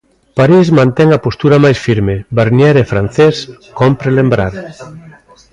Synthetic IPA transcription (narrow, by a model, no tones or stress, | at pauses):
paɾizmãnt̪ɛŋapost̪uɾamajsfiɾmebaɾnjɛɾefɾan̟θeskompɾelembɾaɾ